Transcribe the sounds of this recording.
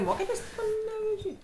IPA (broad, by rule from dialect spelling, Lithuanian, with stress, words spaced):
ˈmoːkʲɛtʲeːsʲ pɐnʲɛʋʲɛˈʒʲiː